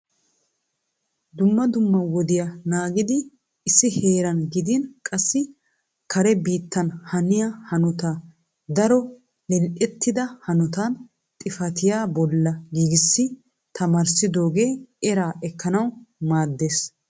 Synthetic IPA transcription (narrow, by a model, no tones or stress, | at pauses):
d̪ʊmːɐd̪ʊmːɐwɔd̪ɪjanaːɡɪd̪ɪː | sːɪheːɾɐnɡɪd̪ɪnkʼɐsːɪ | kʰɐɾɛbiːt̪ːɐnhɐnɪjahɐnɔt̪a | d̪ɐɾɔ | lɛlʔɛt̪ːɪd̪ɐhɐnɔt̪an | t̪ʼɪfɐt̪ɪjaːbɔlːɐɡiːɡɪsːɪ | t̪ɐmɐɾsɪd̪o̞ːɡeːʔɛɾaːʔɛkːɐnɐwmaːd̪ːeːs